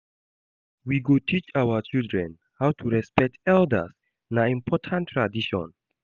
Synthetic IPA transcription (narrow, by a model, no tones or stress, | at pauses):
wiɡotʰit͡ʃawət͡ʃildɹɛ̃n | hawtʰuɹɛspɛk̚tɛldə̰s | naĩmpʰɔtʰãntʰːɹadiʃɔ̰̃n